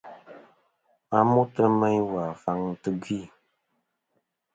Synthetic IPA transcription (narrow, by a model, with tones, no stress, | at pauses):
a˦mu˦tə˦mə˦ɲwa˨fa˦ŋtɨ˦ɡi˦˨